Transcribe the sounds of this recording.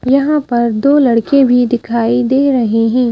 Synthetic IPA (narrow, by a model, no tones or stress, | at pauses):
jɐɦãpɐɾd̪oːlɐɽkebʱid̪ɪkʰaːid̪eːɾɐɦeɦɛ̃ː